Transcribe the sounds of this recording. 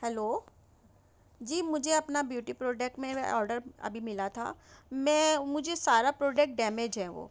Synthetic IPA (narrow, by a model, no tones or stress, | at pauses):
hɛloː | d͡ʒiːmʊd͡ʒʱeɐpnabjuːʈipɾoːɖɛk̚ʈmẽɔ̰ːɾɖəɾɐ̰bʱimɪlat̪ʰa̰ːmɛ̃ːmʊd͡ʒʱesaːɾapɾoːɖɛk̚ʈ̚ɖɛːmed͡ʒɦɛʋo̰ː